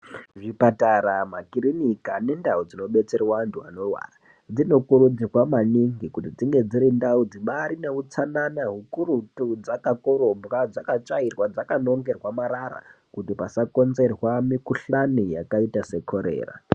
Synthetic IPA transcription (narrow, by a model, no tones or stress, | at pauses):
ʐipataɾamakiɾinikane̞ndaud͡zino̞ɓe̞t͡se̞rwantua̰no̞rwa̰ːra | d͡zino̞kuɾud͡zirwamaniŋɡikutid͡ziŋɡe̞d͡ziɾindaud͡ziɓaɾine̞ut͡sananaɦukurutud͡zakako̞ɾo̞mbrad͡zakat͡ʃairwad͡zakano̞ŋɡe̞rwamaɾaɾa̰ | kutipasako̞nze̞rwamikuɬanijakaitase̞kʰo̞ɾe̞̰ːra̰